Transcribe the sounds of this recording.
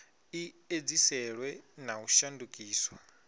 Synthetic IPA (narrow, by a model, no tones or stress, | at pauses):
i | ed͡zisɛɺwɛnauʃandukʼiːswa